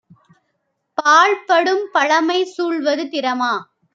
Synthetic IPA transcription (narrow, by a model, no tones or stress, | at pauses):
paːɭpɐɽɯmpɐɭɐmɐɪsuːɭʋɐðɯt̪ɪɾɐmaː